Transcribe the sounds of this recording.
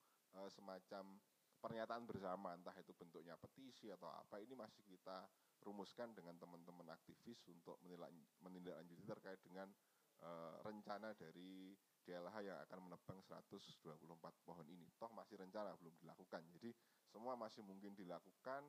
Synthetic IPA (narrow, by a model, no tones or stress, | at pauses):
ʔəsəmat͡ʃam | pərɲat̪aʔanbərsamant̪aɦit̪ub̥ənt̪ʊk̚ɲapət̪isiat̪awa̰painimasɪ̥hkit̪a | rumʊskandəŋant̪əmənt̪əməna̰k̚t̪ifɪsunt̪ʊk̚əl̰mənindaʔlaɲd͡ʒut̪it̪ərkaɪt̪̚d̥əŋan | ʔərəɲt͡ʃanadaɾi | d̥elaɦajaŋa̰kanmənəb̥aŋsəɾa̰t̪ʊsd̥uapulʊhm̩pat̪̚pɔɦɔninit̪ɔhmasɪhɾəɲt͡ʃanabəlʊmdila̰kukand͡ʒadi | səmuamasɪhmuŋkɪndilakukan